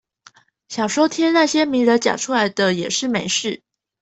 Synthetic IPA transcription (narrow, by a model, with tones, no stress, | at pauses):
ɕjɑ˨˩ŋʂwɔ˥t̪ʰjɛ˥nna˥˩ɕjɛ˥mi˧˥ŋɻə˧˥t͡ɕja̰˨˩ʈ͡ʂʰu˥la˧˥ɪd̪ə˧jɛ˨˩ʂɻ̩˥˩me˧˥ɪʂɻ̩˥˩